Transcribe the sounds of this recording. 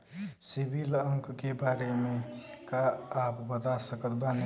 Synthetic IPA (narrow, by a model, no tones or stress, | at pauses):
sɪbilə̃ŋkkebaːɾemẽkaːpbət̪asəkət̪baːn